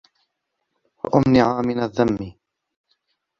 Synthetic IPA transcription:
wa̰ʔʊmnɪʕaːmɪnaðːamːiː

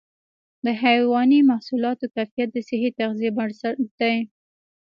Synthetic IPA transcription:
d̪əɦajwɑnimahsulɑt̪okajfijat̪̚d̪əsɪɦit̪axzijebaɽsad̪̥aj

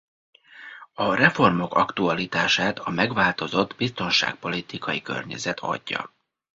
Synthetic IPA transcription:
ɒrɛfo̞rmo̞kɒkt̪uɒlit̪aːʃaːt̪ʰɒmɛɡʋaːlt̪o̞zo̞d̪bist̪o̞nʃa̰ːk̚po̞lit̪ikɒjikø̞̰rɲɛ̰zɛt̪ʰɒ̰ɟːɒ̰

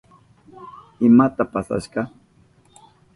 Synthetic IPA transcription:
ɪmat̪apasa̰ʃɢɑ

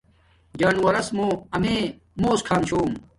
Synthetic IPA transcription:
d͡ʑaːnwɐɾɐsmõːɐme | moːskʰaːnt͡ɕʰoːm

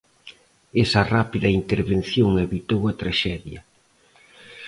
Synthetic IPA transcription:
esɐrapiðɐint̪eɾβenθjoŋeβit̪owɐt̪ɾaʃɛðjɐ

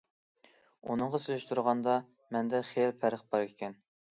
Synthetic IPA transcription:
ṵnɨŋʁɑsylɪʃt̪uɾʁɑnd̪ɑ | mɛnd̪ɛχeɾpʰæɾəχbɑɾkʲʰekʲʰɛn

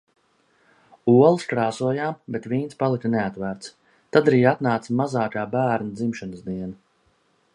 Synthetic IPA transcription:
uɔlˠskɾaːsuɔjaːmbet̪viːnspalˠik̪ʲt̪neat̪væɾt̪s | t̪ad̪aɾiːat̪naːt̪smazaːkaːbæːɾnad̪zimʃanəsd̪iɛna

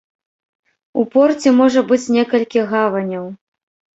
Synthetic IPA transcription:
upɔrt͡sʲɛmɔʐɐbɨt͡sʲnʲɛkɐlʲkʲiɣavɐnʲɐw

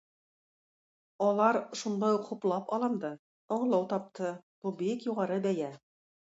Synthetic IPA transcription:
ɒlˠɑɾʃund̪ɑjuqχuplˠɑpɑlˠɤmd̪ɤ | oɴɤ̆lˠɑwt̪ɑp̚t̪ʰɤb̥ubikjuʁɑɾɤbæjæ

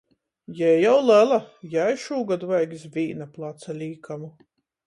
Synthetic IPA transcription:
jɛːjawlælajajʃuːɡad̪uvajɡisvʲiːnaplˠat̪salʲiːkamu

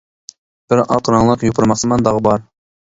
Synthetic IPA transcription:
b̥ɪɾɑ̰q̪ɾɑŋlˠɑqjupʰəɾmɑχsəmɑnd̪ɑʁbɑɾ

